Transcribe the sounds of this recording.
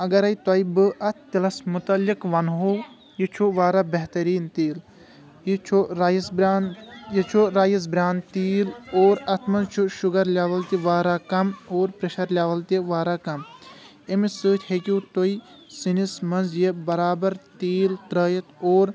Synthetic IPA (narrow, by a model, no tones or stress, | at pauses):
ɐɡɐɾɐjt̪ɐjibɨʔɐt̪ʰt̪ilɐsmut̪ɐlikʋɐnɦo | jit͡ʃʰuʋaːɾaːbɐɦt̪ɐɾiːnt̪iːl | jit͡ʃʰuɾajisbɾaːnjet͡ʃʰuɾaːjis̬bɾʲaːnt̪iːloːɾɐt̪ʰmɐnzt͡ʃʰuʃuɡɐɾlʲaːʋɐlt̪iʋaːɾaːkɐmoːɾpɾeʃɐɾlʲaːʋɐlt̪iʋaːɾaːkɐm | emisɨːt̪ʰʲhekut̪oi | sinismɐnzjebɐɾaːbɐɾt̪iːlt̪ɾəːjɐt̪ʰoːɾ